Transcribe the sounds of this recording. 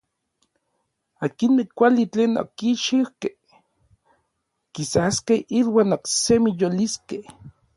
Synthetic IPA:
aːkinmekʷalit͡ɬeːno̰kiʃiwkeh | kisaskehʔilwaːnoksemijoliskeh

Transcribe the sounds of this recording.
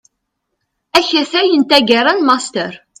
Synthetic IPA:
æçæθæjənt̪æɡəɾˤanmɑst̪əɾ

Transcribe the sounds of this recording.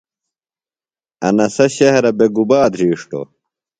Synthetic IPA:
ɐnɐsɐɕɐɦɐɾɐbeɡubaːd̪ɾiːʂʈo̰

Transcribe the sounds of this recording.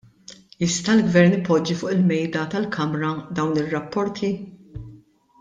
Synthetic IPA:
jɪst̪ɐlɡvɛɾnɪpɔd͡ʒːifʊːʔɪlmɛjd̪ɐt̪ɐlkʰɐmɾɐd̪ɐwnɪrːɐpːɔɾt̪ʰi

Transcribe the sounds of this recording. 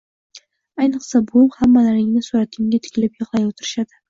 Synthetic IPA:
ajnɨqsabolˠhamːalaɾɪɡʲnɪsuɾat̪̚ʰʲɪŋɡʲat̪ʰɪ̥kʲʰɪlɪpjɨʁlˠɑjwot̪ʰɪɾɪʃad̪ɪ

